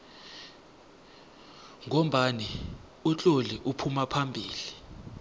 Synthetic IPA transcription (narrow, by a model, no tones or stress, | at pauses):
ŋom̩ɓani | ut͡ɬʼoliʔupʰumapʰambʱiːli